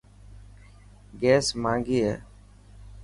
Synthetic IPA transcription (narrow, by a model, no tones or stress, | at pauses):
ɡɛːsmãːŋɡiːɦɛ̰ː